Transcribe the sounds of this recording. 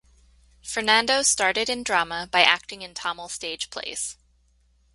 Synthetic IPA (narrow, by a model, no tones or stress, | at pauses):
fə˞næ̃ndoʊstɑɹɾɨɾɨ̃ndɹɑməbaɪʔæk̚tɪ̃ŋɨ̃ntʰɑml̩ˠsteɪd̥ʒ̥pʰl̥ḛɪs